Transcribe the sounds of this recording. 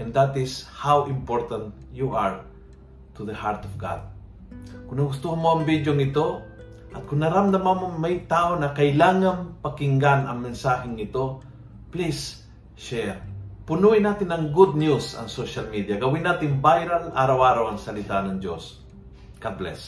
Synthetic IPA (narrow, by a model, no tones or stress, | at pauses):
ʔɛnd̪at̪ɪshawɪmpoɹt̪ɐ̃nt̪ | juʔaɹ | t̪uðəhaɹt̪ɔfɡa̰d̪̚ | kʊnɐɡʊst̪uhamoɐŋbid̪joŋɪt̪o̞ | ʔɐt̪̚kʊŋnɐɾamd̪ɐmamoŋmɐjt̪aːʔonɐkɐɪlaːŋɐnpɐkɪŋɡanɐŋmɛnsaːhɪŋɪt̪o̞ | plis | ʃɛɾpʊnuːɪnaːt̪ɪnɐŋɡʊd̪̚njusɐ̰ŋsoʃalmid̪ijɐɡɐwɪnːaːt̪ɪnbajɾalaːɾawʔaːɾawɐŋsɐlɪt̪anɐŋd͡ʒos | ɡ̥ad̪̚blɛ̰s